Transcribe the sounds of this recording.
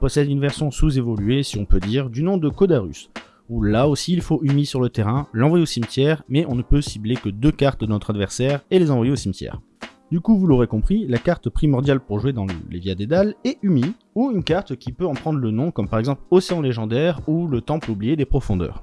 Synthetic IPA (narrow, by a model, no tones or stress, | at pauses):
pɔsɛd̪ynvɛʁsjɔ̃suzevɔlyesiɔ̃pød̪iʁd̪ynɔ̃d̪əkod̪aʁy̰s | ulaosiːlfoʔymisyʁlət̪eʁɛ̃lɑ̃vwajeosimt̪jɛʁmɛɔ̃nəpøsiblekəd̪økaʁt̪d̪ənɔt̪χad̪vɛʁsɛʁelezɑ̃vwajeosimt̪ʲjɛ̰ʁ | d̪ykuvuloʁekɔ̃pχilakaʁt̪pχimɔʁd̪jalpuʁʒwed̪ɑ̃lḛvjad̪ed̪alɛymi | uynkaʁt̪kʲipøɑ̃pχɑ̃d̪ʁlənɔ̃kɔmpaʁɛɡzɑ̃ploseɑ̃leʒɑ̃d̪ɛʁulət̪ɑ̃pøublijed̪epχɔfɔ̃d̪œ̰ːʁ